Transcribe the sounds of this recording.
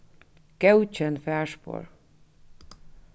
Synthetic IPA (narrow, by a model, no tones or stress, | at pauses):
kɛut͡ʃːɛnfɛrʃpo̰r